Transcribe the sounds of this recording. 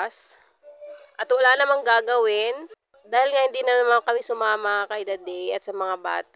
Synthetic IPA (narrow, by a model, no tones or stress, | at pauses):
s | ʔɐt̪wɐlaːnɐmaŋɡaːɡɐwɪn | d̪aːhɪlŋahɪnd̪inɐnɐmankɐmɪsʊmaːmakɐʔɪd̪ɐd̪ɛjʔɐ̰t̪̚sɐmɐŋaba̰ːt̪